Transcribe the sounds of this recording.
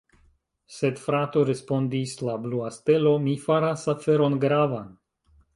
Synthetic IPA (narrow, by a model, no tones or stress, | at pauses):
se̞dfɾato̞ɾe̞spo̞ndislabluaste̞lo̞mifaɾasafe̞ɾo̞nɡɾavan